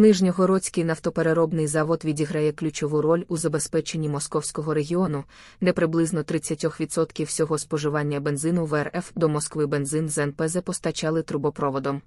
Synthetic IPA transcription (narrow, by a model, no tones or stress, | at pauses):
nɪʒnʲɔɦɔɾɔt͡sʲkɪjnɐwt̪ɔpe̞ɾeɾɔbnɪjzɑʋɔd̪ʋʲidʲiɦɾɐjɛklʲʊt͡ʃɔʋuɾɔlʲuzɐbe̞spɛt͡ʃenʲːimɔskɔwsʲkɔɦɔɾe̞ɦʲiɔnʊ | d̪ɛpɾɪblˠɪznɔt̪ɾɪt͡sʲːɐtʲɔxʋʲit̪sɔt̪kʲiwsʲɔɦɔspɔʒɪʋɑnʲːɐbe̞nzɪnʊʋɛrɛfd̪ɔmɔskʋɪbe̞nzɪnzɛnpɛzɛpɔst̪ɐt͡ʃɑlˠɪt̪ɾʊbɔpɾɔʋɔd̪ɔm